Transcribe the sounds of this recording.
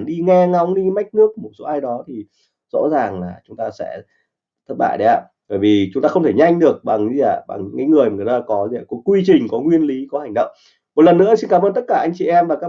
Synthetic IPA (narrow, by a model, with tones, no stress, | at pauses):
nɗi˧ŋɛ˧ŋa˧wŋ͡mɗi˧ma˦˥jk̟̚nɨ˦˥ək̚ːmo˨˩t̚so˨˦ʔaː˧jɗɔ˨˦t̪ʰi˨˩ | z̥ɔ̰˧˥zaː˨˩ŋlaː˨˩t͡ɕʊ˨˦ŋ͡mt̪aː˧sɛ̰˧˥ | t̪ʰə˦˥t̚ɓa̰ː˧˨jɗə˨˦ʔa̰ː˧˩ | vəː˧˩jvi˨˩t͡ɕʊ˨˦ŋ͡mt̪aː˧xə˧ŋ͡mt̪ʰe˧˩ɲa˧jŋ̟ɗɨ˨˩ək̚ɓa˨˩ŋ˧˦a˧˨˩ɓa̰˨˩ŋ̰˧˥ŋkaː˨˦jŋɨ˨˩əjmaː˨˩˨ɨ˨˩t̪aː˧kɔ˨˦zku˨˦kwi˧t͡ɕï˨˩ŋ̟kɔ˨˦ŋwi˧ənli˨˦kɔ˨˦ha˨˩jŋ̟ɗə̰˧˨wŋ͡m | mo˨˩t̚lə˨˩nːɨ̰˧˥əsi˧nkaː˨˦məː˧nt̪ə˦˥t̚kaː˧˩ʔa˧jŋt͡ɕi˨ʔɛ˧mvaː˨˩ka˦˥